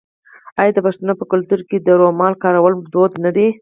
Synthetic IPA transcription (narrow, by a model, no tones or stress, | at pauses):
ɑjɑd̪əpaʂt̪unopəkʊlt̪uɾked̪əɾomɑlkɑɾawəld̪od̪nad̪e